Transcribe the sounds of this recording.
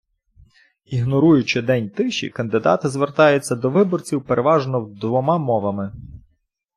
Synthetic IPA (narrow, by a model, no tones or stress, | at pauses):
iɦnɔɾujʊt͡ʃɪd̪ɛnʲt̪ɪʃḭkɐnd̪ɪd̪ɑ̰t̪ɪzʋert̪ɑjʊt͡sʲːɐd̪ɔʋɪbɔrt͡sʲiwpeɾʔeʋɑʒnɔwd̪ʋɔmɑmɔʋɐmɪ